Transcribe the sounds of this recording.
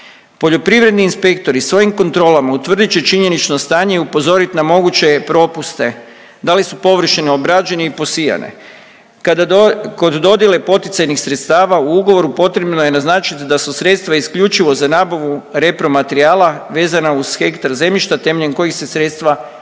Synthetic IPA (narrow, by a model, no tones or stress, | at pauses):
po̞ʎo̞pɾiʋɾe̞d̪niːnspe̞k̚t̪o̞ɾisʋo̞jimko̞nt̪ɾo̞ːlamaut̪ʋr̩d̪it͡ɕet͡ʃiɲe̞nit͡ʃno̞st̪aːɲeupo̞zo̞ɾit̪namo̞ɡut͡ɕe̞pɾo̞pust̪e̞ | d̪alisupo̞ʋr̩ʃineobɾad͡ʑe̞niipo̞sija̰nḛ | kad̪ako̞d̪d̪o̞d̪jele̞po̞t̪it̪sajnixsɾet̪st̪aːʋauuɡoʋo̞ɾupo̞t̪ɾe̞bnoje̞naznaːt͡ʃit̪d̪asusɾe̞t̪st̪ʋaiskʎut͡ʃiʋo̞zanaːbaʋuɾe̞pɾo̞mat̪eɾiaːlaʋe̞ːzanauz̥xe̞kt̪aɾze̞mʎiʃt̪at̪e̞meʎenko̞jixse̞sɾe̞t̪st̪ʋa